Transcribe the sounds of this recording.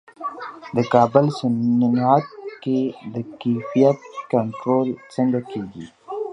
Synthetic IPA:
d̪əkɑːbəlsɪnnɑt̪̚ked̪əkefijat̪̚kaɳʈɾolsəŋɡakeːɡḭ

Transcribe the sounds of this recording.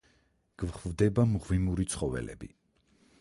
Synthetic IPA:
ɡ̥vχvd̪ɛbamʁvimuɾit̪sʰχɔvɛ̰lɛ̰bḭ

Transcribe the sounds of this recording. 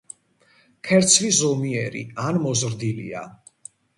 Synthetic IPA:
kʰɛɾt̪sʰvizɔmiɛɾḭanmɔzɾd̪ilḭa̰

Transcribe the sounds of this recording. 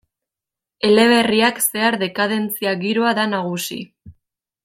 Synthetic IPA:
e̞le̞β̞e̞riakse̞aɾðe̞kaðe̞nt͡siaɣiɾo̞aðanaɣ̞usḭ

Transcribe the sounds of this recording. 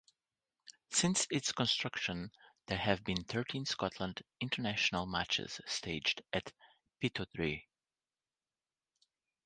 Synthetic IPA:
sɪ̃nsɪtskə̃nstɹ̥ʌkʃə̃nðə˞ɨvbĩnθɜ˞tʰĩnskɑtʰlə̃ndɪ̃ntʰə˞næʃənəlˠmæ̰t͡ʃɪ̰z̥steɪd͡ʒdɨt | pitʰoθɹi

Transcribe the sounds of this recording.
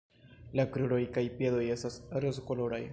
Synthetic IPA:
lakɾuɾo̞jkajpje̞do̞je̞stasɾozoko̞lo̞ɾaj

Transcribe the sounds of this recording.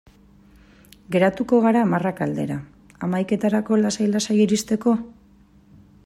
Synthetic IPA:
ɡe̞ɾat̪uko̞ɣaɾamarakald̪e̞̰ɾa | amajke̞t̪aɾako̞lasajlasajiɾist̪e̞ko̞

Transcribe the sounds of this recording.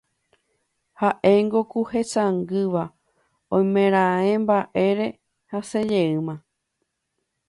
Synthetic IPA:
haʔe̞jŋɡokuhe̞saŋɡɨʋa | õjmẽ̞ɾ̃ãẽmbaʔe̞ɾe̞ | hase̞d͡ʒe̞ɨmã

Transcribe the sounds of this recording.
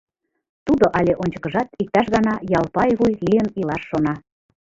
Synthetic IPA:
t̪ud̪oʔɑlʲeʔonʲt͡ɕə̥̆kəʒɑt̪ik̚t̪ɑʃɣɑnɑjɑlpɑjβujlijənilɑʃːonɑ

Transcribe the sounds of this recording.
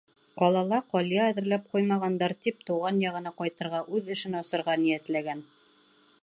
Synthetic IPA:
ɒlˠɑlˠɑqɒlʲjɑːðɘ̆ɾlæp̚qujmɑʁɑnd̪ɑɾt̪ip̚t̪uʁɑnjɑʁɤ̆nɑqɒjt̪ɤ̆ɾʁɑʔʉðɘ̆ʃɘnɑsɤ̆ɾʁɑnijæt̪læɡæn

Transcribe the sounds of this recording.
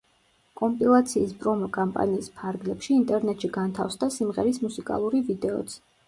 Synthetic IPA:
kʼɔmpʼilˠat̪sʰiːspʼɾɔmɔkʼampʼa̰niːspʰaɾɡlɛpʃiːnt̪ʼɛɾnɛt̪ʼʃiɡant̪ʰa̰fsd̪asimʁɛ̰ɾismusikʼa̰lˠuɾivid̪ɛɔ̰t̪sʰ

